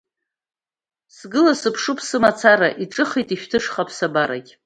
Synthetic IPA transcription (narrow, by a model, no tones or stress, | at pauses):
sɡɨlasɨpʰʂupʰsɨmat͡sʰaɾaʔiʈ͡ʂʼɨχejtʼiʃᶣtʰɨʂχapʰsabaɾa̰kʲʼ